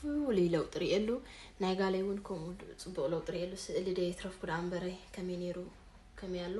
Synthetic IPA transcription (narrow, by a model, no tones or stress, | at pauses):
lilɐwt̪ʼɨɾiʔɛlːu | najɡalɐjwʊnkʰɐmut͡sʼɨbːuχʼlɐwt̪ʼɨɾijɛlːusɨʔɨlɨd̪ɐjt̪ʰɾɐfkʰud̪ambɐɾɐjkʰɐmineɾu | kʰɐmijalːo